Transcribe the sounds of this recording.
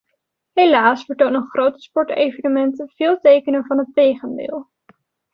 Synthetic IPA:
ɦelaːsfəɹtownənχrowtə̥spɔɹtḛjvənəmɛntəv̥ɪːlˠtejkənənvɑnɦətejχəndɪ̰ːlˠ

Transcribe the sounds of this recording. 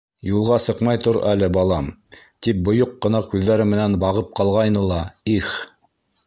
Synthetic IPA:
julˠʁɑsɤqmɑjt̪oɾælɘbɑlˠɑm | t̪ip̚bŏjoqːɤ̆nɑkʉðːæɾɘmɘ̆nænbɑʁɤp̚qɑlˠʁɑjnɤlˠɑiχ

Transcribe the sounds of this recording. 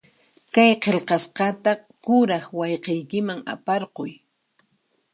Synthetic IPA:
kajqelqɑsqɑt̪a | kʊɾaχwɑjqejkɪmaŋa̰pɑɾqʊj

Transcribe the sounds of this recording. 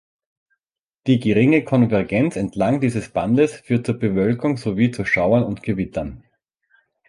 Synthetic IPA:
d̥iːɡəʁɪŋəkʰɔnvɛɐɡɛnt͡sɛntʰlaŋdiːzəsb̥andəsfyːɐt̚t͡suːɐbəvœlkʊŋz̥oviːt͡suʃaʊɐnʊntɡ̥əvɪtɐn

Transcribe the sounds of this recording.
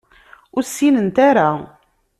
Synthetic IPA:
ʊɾsːinənt̪aɾa

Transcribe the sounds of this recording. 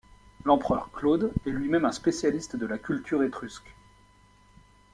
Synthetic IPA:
lɑ̃pχœʁklod̪ɛlɥimɛmɛ̃spesjalist̪d̪əlakʲylt̪ʰyʁet̪χyskʲ

